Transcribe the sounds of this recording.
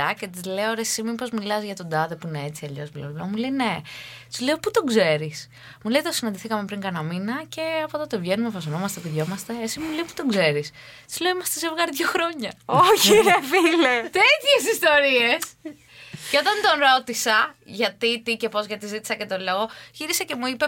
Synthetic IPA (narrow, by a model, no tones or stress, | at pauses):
ɐce̞t̪izle̞oɾesimipo̞zmilɐzʝɐt̪o̞d̪ɐðepuinee̞t͡siɐʎo̞̰zmulelɐmuleine̞ | t̪izle̞oput̪o̞ɡze̞ɾis | muleit̪o̞sinɐnd̪iθikɐmepɾiŋkɐnɐminɐce̞ɐpot̪ot̪ovʝe̞numefɐsono̞mɐst̪epuðʝo̞mɐst̪e̞esimule̞ipu̥t̪o̞ɡze̞ɾis | t̪i̥zle̞oimɐst̪esevɣɐɾðʝo̞xɾo̞ɲɐociɾɐfilet̪e̞t̪çe̞sist̪o̞ɾie̞s | ce̞o̞t̪ɐnt̪o̞nɾo̞t̪isɐʝɐt̪it̪ice̞po̞zʝɐt̪izit̪i̥sɐcet̪o̞lo̞ɣo̞ʝiɾisɐce̞muipe